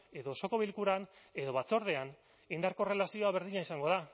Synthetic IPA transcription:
e̞ðo̞so̞ko̞β̞ilkuɾane̞ðo̞βat͡so̞ɾð̞e̞an | ind̪aɾko̞re̞lasio̞aβe̞ɾðiɲaisaŋɡo̞ð̞a

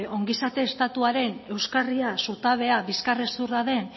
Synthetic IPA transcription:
o̞ŋɡisat̪e̞ːst̪at̪uaɾe̞ne̞wskariasut̪aβ̞e̞aβiskaresuraðe̞n

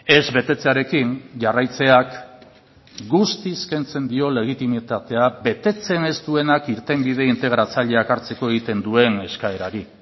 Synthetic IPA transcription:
e̞zβe̞t̪e̞t͡se̞aɾe̞kinʝarajt͡se̞ak | ɡust̪iske̞nt͡se̞nd̪io̞le̞ɣ̞it̪imit̪at̪e̞abe̞t̪e̞t͡se̞ne̞st̪ue̞nakiɾt̪e̞mbið̞e̞int̪e̞ɣ̞ɾat͡saʎe̞akaɾt͡se̞ko̞e̞ɣ̞it̪e̞nd̪ue̞ne̞skae̞ɾaɾi

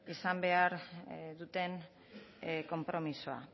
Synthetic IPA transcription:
isambe̞aɾðut̪e̞n | ko̞mpɾo̞misoa̰

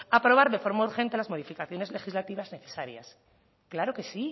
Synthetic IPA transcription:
apɾo̞β̞aɾðe̞fo̞ɾmauɾxe̞nt̪e̞lazmo̞ð̞ifikaθjo̞ne̞zle̞xizlat̪iβazne̞θe̞saɾja̰s | klaɾoke̞si

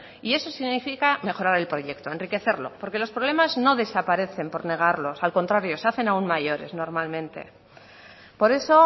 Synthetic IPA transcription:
ie̞so̞siɣnifikame̞xo̞ɾaɾe̞lpɾo̞ʝe̞kt̪o̞e̞nrike̞θe̞ɾlo̞̰po̞ɾke̞lo̞spɾoβ̞le̞mazno̞ðe̞sapaɾe̞θe̞mpo̞ɾne̞ɣ̞aɾlo̞salko̞nt̪ɾaɾjo̞saθe̞naunmaʝo̞ɾe̞̰zno̞ɾmalmẽ̞nt̪e̞̰ | po̞ɾe̞so̞

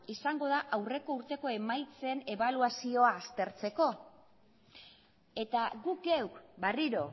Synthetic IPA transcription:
isaŋɡo̞ðaʔawre̞ko̞uɾt̪e̞ko̞e̞majt͡se̞ne̞βaluasio̞aːst̪e̞ɾt͡se̞ko̞ | e̞t̪aɡukɡewkbariɾo̞

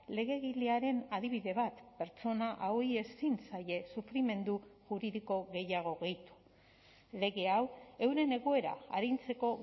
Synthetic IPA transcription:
le̞ɣe̞ɣileaɾe̞naðiβ̞iðe̞βat̪pe̞ɾt͡ʃo̞naʔawie̞sinsaje̞sufɾime̞nd̪uʝuɾiðiko̞ɣe̞jaɣ̞o̞ɣe̞jt̪u̥ | le̞ɣe̞awe̞wɾe̞ne̞ɣoe̞ɾa̰aɾint͡se̞ko̞

